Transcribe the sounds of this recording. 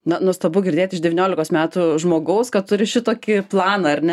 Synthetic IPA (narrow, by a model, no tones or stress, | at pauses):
nɐnuɔst̪ɐbʊɡʲɪɾʲdʲeːt̪ʲɪʒd̪ʲɛʋʲinʲoːlʲɪkoːsmʲæːt̪ʊʒmoːɡɐʊskɐt̪t̪ʊɾʲɪʃʲɪt̪oːkʲɪplˠɑːnɐɐrʲnʲɛ